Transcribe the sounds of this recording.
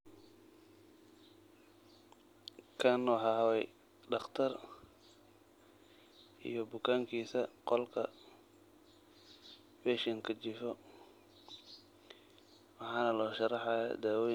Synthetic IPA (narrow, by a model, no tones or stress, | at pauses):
kʰaːnːɔħɑɦɐwɛj | ɖɑχt̪ʰɐr | ʔḭjɔbʊkʰaːŋkʰiːsɐqɔlkʰɐ | bɛʃɪŋkʰɐt͡ʃɪfɔ | wɑħɑːnɐlɔːʃɐrɑħɑja̰d̪aːwɔːj